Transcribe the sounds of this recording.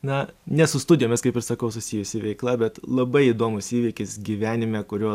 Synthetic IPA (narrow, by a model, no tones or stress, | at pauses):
nɐnʲɛsʊst̪ʊdʲɪjoːmʲɛskɐɪpɪɾsɐkɐʊsʊsʲɪjʊsʲɪʋʲɛɪklˠɐbʲɛt̪lˠɐbɐɪiːd̪oːmʊsiːʋʲiːkʲɪsɡʲiʋʲæːnʲɪmʲɛkʊɾʲoː